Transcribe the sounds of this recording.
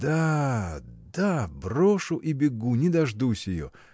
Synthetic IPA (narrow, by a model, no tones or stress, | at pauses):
d̪a | d̪abroʂʊʔibʲɪɡunʲɪd̪ɐʐd̪usʲjɪjo̰